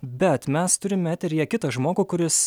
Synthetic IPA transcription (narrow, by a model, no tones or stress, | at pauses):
bʲɛt̪mʲɛst̪ʊɾʲɪmʲɛt̪ʲɛɾʲjiɛkʲɪt̪ɐʒmoːɡuːkʊɾʲɪs